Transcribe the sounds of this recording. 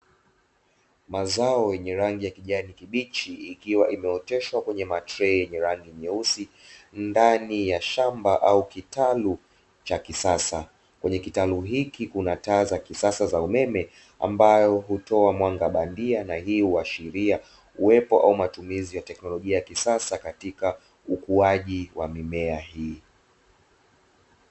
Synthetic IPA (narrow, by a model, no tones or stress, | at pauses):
mazaɔjɛɲɛɾaŋɡijakiʄanikiɓit͡ʃiːkiwaʔimɛɔtɛʃwakwɛɲɛmatɾɛjɛɲɛɾaŋɡimɛusindanijaʃambaʔaukitalu | t͡ʃakisasa | kwɛɲɛkitaluɦikikunataːzakisasazaumɛmɛ | a̰mbajɔɦutɔamwaŋɡaɓandianahiːhuaʃiɾia | uwɛpɔʔa̰umatumizijatɛknɔlɔʄiajakisasakatika | ukuaʄiwamimɛahiː